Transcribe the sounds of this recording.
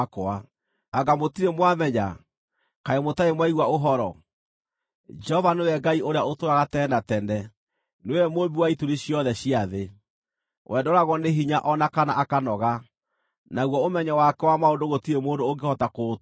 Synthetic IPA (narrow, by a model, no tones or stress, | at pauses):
koa | aɡamotiɾemwamɛɲa̰ | kaemotaemwaiɣwaoɦɔɾɔ | d͡ʒɛhɔvanewɛɡaiʔoɾeaotoɾaɣatɛːnatɛndɛ | neewɛmobiwaituɾiɕiɔðɛɕiaðe | wʔɛdɔɾaɣɔneɦiɲaʔɔnakanaʔakanɔɣa | naɣwɔomɛɲɛwakɛwamaondoɣotiɾemoːndoːŋɡehɔtakot